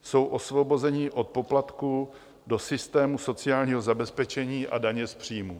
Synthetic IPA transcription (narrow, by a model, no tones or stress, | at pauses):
so̞wʔo̞svo̞bo̞zɛɲiːʔo̞t̪̚po̞plat̪kuː | do̞sɪst̪ɛːmuso̞t͡sɪaːlɲiːɦo̞zabɛspɛt͡ʃɛɲiːʔa̰daɲɛspr̝̥iːmuː